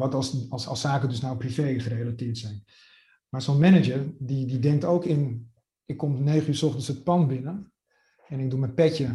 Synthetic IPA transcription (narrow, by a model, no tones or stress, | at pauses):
ʋɑtsɑ̰lˠsaːkədɵsnawprivejχərejlatɪːɹtsɛjn | maːɹsonmɛnəd͡ʒəɹdididɛŋktowkɪn | ɪkːɔmnejχənyːɹsɔχtənsət̚pɑnbɪnə | ɛnɪɡ̚dumɛjpɛcə